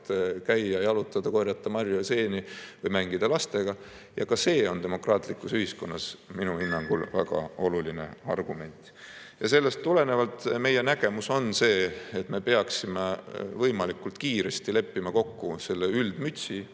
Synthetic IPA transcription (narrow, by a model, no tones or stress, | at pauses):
t̪kæjːɑejɑlut̪ːˑɑd̪̥ɑko̞rjɑt̪ːˑɑmɑrjose̞ːnivɤjmæŋɡid̪̥ɑlɑst̪e̞ɡ̥ɑ | jɑkɑse̞ːo̞nd̪e̞mo̞krɑːt̪ˑlikːˑusyhisko̞nːɑsminuinːɑŋɡ̥ṵlvæɡ̥ɑ̰o̞luline̞̰ɑ̰rɡ̥ume̞nʲt̪ˑ | jɑse̞lːe̞st̪ːule̞nevɑlt̪me̞je̞næɡ̥e̞muso̞nse̞ːt̪me̞pe̞ɑksimevɤjmɑlikult̪kiːɾe̞st̪ile̞pːimɑko̞kːuse̞lːeyld̪̥myt̪ʲsi